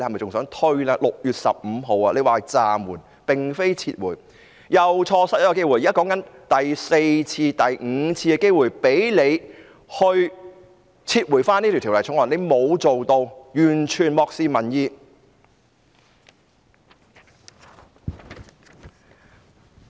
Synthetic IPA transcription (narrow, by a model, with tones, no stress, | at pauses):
e˧hɐ˨m˨jt͡sʊ˨ŋsœː˨˥ŋt̪ʰɵ˥ɥlaː˧lʊ˨k̚jyː˨t̚sɐ̰˨p̚m̩˨˧ɦo˨wa˧le˨˧jwaː˨t͡saː˨mwuː˨˩n | pɪ˨ŋfe˥jt͡sʰiː˧t̚wuː˨˩j | jɐ˨wt͡ʃʰɔː˧sɐ˥t̚jkːɔ˧ke˥jwu˨˩ji˨ɐ˥kɔː˨˥ŋkɐ˨˥nt̪ɐ˨˩jse˧jt͡sʰiː˧t̪ɐ˨˩jŋ̩ː˨˧t͡sʰiː˧kɛ˧ke˥jwuː˨˩jpe˨˥jle˨˧j | hɵ˧ɥ | t͡sʰiː˧t̚wuː˨˩faː˥ni˥t̪ʰi˨˩t̪ʰi˨˩lɐ˨˩jt͡sʰʊ˨˥wɐː˨ne˨˧jmo˨˧wt͡so˨wt̪o˧wjyː˨˩nt͡ʃʰyː˨˩nmɔː˧k̚siː˧mɐ˨˩njiː˧